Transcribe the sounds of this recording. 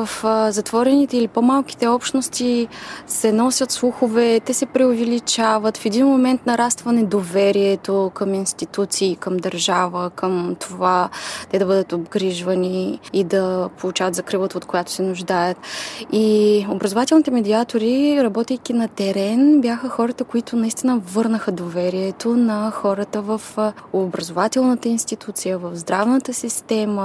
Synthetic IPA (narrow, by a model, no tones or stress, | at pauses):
əfzɐt̪vɔɾɛnit̪ɛilipomalˠk̟i̥t̪ɛɔpʃnost̪isɛnɔsʲɐt̪slˠuxovɛt̪ɛsɛpɾɛovɛlit͡ʃavət̪fɛd̪inmomɛnt̪nɐɾast̪vɐnɛd̪ovɛɾiɛt̪okəminst̪it̪ut̪siːkəmd̪ɐɾʒavəkəmt̪ʰovat̪ɛd̪ɐbɤd̪ət̪obɡɾiʒvɐniːd̪ɐpʰolˠut͡ʃavɐt̪zɐkɾivlˠət̪əot̪kojat̪o̥sɛnʊʒd̪ajət̪iobɾəzovat̪ɛlˠnit̪ɛmɛd̪ʲiat̪oɾiɾɐbɔt̪ɛjkʲinɐt̪ɛɾɛnbjaxəxɔɾət̪əkoit̪ʊnɐist̪inəvɤɾnəxəd̪ovɛɾiɛt̪onɐxɔɾət̪əvɐfobɾɐzovat̪ɛlˠnət̪əinst̪it̪ut̪sijəvɐvzd̪ɾavnət̪əsist̪ɛmə